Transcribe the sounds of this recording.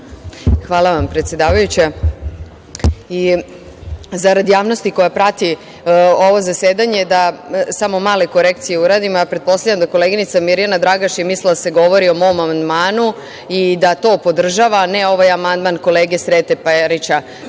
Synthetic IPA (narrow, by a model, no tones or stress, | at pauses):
xʋaːlˠaʋampɾet̪sjed̪aːʋajut͡ɕe | i | zaɾad̪jaːʋno̞st̪iko̞japɾat̪i | o̞ʋo̞zaseːd̪aɲed̪asamo̞maːle̞ko̞ɾe̞k̚t̪sijeuɾad̪imojapɾet̪̚po̞saʎamd̪ako̞leɡinit̪samiɾjanad̪ɾaɡaʃjemislild̪aseɡo̞ʋo̞ɾio̞mo̞ʋomamand̪maːnu | id̪at̪o̞ːpo̞d̪r̩ʒaʋaneo̞ʋajamand̪manko̞leːɡesɾeːt̪epɾit͡ɕa